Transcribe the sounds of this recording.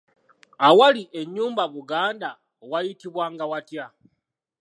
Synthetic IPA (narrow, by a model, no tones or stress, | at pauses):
awaliʔe̞ɲːuːmbaβuɡaːnda | wajitiβwaːŋɡawatja